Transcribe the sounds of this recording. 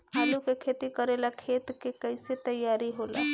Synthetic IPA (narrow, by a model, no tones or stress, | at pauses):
alukekʰet̪ikəɾelakʰet̪kekəɪset̪əjaɾiɦola̰